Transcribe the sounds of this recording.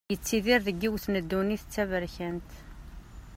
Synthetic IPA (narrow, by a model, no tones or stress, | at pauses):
jət͡sːiðiɾðəɡːiwθnəd̪ːuniθət͡sːævəɾçənt̪